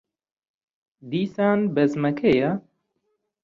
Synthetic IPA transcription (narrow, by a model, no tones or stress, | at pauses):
d̪iːsaːnbɛzmɐkʰejɐ